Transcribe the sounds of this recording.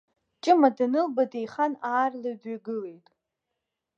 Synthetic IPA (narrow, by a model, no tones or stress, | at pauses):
t͡ʃʼɪmadanɨlbadejχanaːrlɨdaɡɨle̞jtʼ